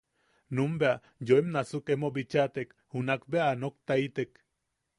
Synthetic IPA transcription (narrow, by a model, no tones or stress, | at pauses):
numbea | joemnasukemobit͡ʃat̪ek | hunakbeaːnok̚t̪ait̪ek